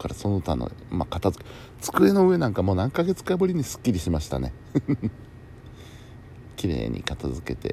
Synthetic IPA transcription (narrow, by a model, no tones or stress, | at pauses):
kaɾaso̞noɯt̪ano̰makat̪azɨ̥ke | t͡sɨ̥kɯ̟e̞no̞ɯ̟e̞nãŋkamo̞ːnãŋkaɡe̞t͡sɨ̥kaaboɾʲiɲ̟isɨ̥kʲːiɾʲiɕimaɕi̥t̪a̰ne̞ | kʲiɾe̞̰ːɲ̟ʔḭkat̪azɨke̞t̪e̞̰